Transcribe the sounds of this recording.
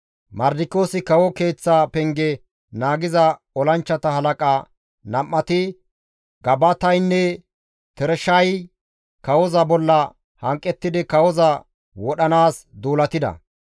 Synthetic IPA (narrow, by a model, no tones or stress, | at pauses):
mɐɾd̪ɪko̞ːsɪkɐwɔke̞ːt͡sːapɛŋɡɛ | naːɡɪzɐ | ɔlɐnt͡ʃːɐt̪ɐhɐlɐkʼa | nɐmːɐt̪ɪ | ɡ̥ɐbɐt̪ɐjnːɛ | t̪ɛɾɛʃɐj | kɐwɔzɐbɔlːɐ | hɐŋkʼːɛt̪ːɪd̪ɪkɐwɔzɐ | wɔɗɐnaːsd̪uːlɐt̪ɪd̪ɐ̰